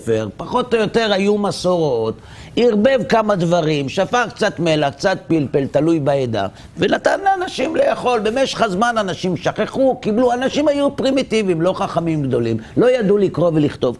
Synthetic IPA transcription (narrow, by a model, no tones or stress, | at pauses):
feʁpaχo̞t̪ojo̞t̪e̞ʁajumaso̞ʁo̞t̪ | iʁbe̞vkamad̪vaʁimʃafaχkt͡sat̪melak̚t͡sat̪̚pilpelt̪alujbaed̪a̰ | venat̪anlaanaʃimle̞jaχo̞lbe̞me̞ʃḁχazmananaʃimʃaχeχukibluanaʃimhajupʁimit̪ivimlo̞χaχamimɡd̪o̞limlo̞jad̪ulikʁo̞veliχt̪o̞v